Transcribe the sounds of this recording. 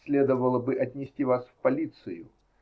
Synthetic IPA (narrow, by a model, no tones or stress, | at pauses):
sʲlʲe̞d̪əvəlˠəbɨʔɐtʲnʲɪsʲtʲivasfpɐlʲit̪sɨjʊ